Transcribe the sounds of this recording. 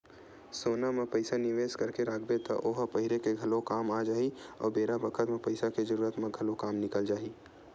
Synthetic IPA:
soːnamẽpɐɪsanɪʋeːskɐɾkeɾaːkʰbet̪ɔʔoːɦpɐɦɪɾekeɡʱɐlokaːmaːd͡ʒaːiɔ̰ːɾbeːɾabɐkʰət̪mẽpɐɪsaked͡ʒəɾuːɾət̪mẽɡʱɐlokaːmnɪkəld͡ʒaːiː

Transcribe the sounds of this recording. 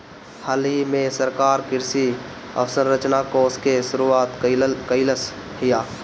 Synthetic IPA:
həlɦimẽsəɾkaːɾkɪɾsi | ə̰ʋsəɾɾət͡ʃnakoːskeʃʊɾuaːt̪kəɪləs | ɦɪjaː

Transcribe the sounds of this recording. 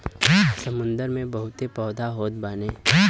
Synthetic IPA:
sɐmʊ̃nd̪əɾmẽbɐɦʊt̪epɔːd̪aɦoːt̪̚baːne

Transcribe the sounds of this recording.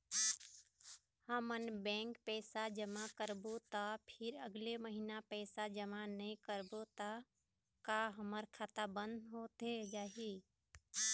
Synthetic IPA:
həmənbɛ̃ːŋkpɛːsad͡ʒəmakəɾbot̪apʰɪɾəɡleməɦinapɛːsad͡ʒəmanəĩkəɾbot̪a | kaɦəməɾkʰaːt̪abə̃nd̪ʱɦoːt̪ed͡ʒaːɦi

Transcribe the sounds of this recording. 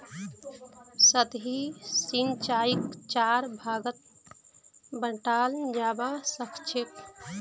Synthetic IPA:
sət̪ɦisint͡ʃaikt͡ʃaɾbʱaɡət̪̚ | bəʈaːld͡ʒaːbasəkʰt͡ʃʰek

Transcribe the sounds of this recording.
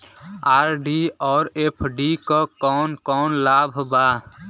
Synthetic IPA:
aɾɖiɔːɾepʰɖikɔkɔːnkɔːnlabʱba

